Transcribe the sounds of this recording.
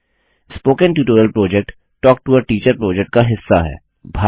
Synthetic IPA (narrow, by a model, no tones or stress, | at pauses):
spoːkə̃nʈuːʈoːɾjəlpɾɔːd͡ʒɛk̚ʈ | ʈɔːk̚ʈuʋəɾʈiːt͡ʃəɾpɾɔːd͡ʒɛk̚ʈ̚kaɦɪsːaɦɛ̰ː | bʱaː